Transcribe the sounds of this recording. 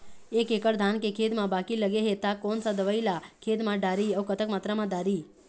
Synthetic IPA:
eːkekəɾd̪ʱankekʰeːd̪mãbaːkiləɡeɦet̪akoːnsad̪əʋəilakʰeːd̪mãɖaːɾiəʋkət̪əkmat̪ɾamãd̪aːɾi

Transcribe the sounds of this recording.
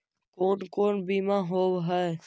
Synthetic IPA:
koːnkoːnbiːmãɦoːbɦə

